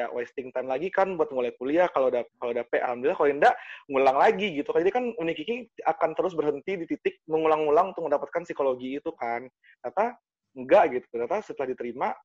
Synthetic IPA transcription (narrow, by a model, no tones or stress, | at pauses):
a̰wast̪ɪŋt̪ajmlaɡikanbuat̪̚ŋolɛkuliahkalodakalodapɛʔa̰lambilakaloindaʔŋulaŋlaɡiɡit̪ukand͡ʒadikanunikikɪakant̪əɾʊs̬bərɦənt̪idit̪it̪ɪk̚məŋulaŋːulaŋunt̪ʊməndapat̪̚kansikoloɡiːt̪ukan | dat̪a | ŋɡaʔɡit̪u̥kdat̪asət̪əlahdit̪əɾima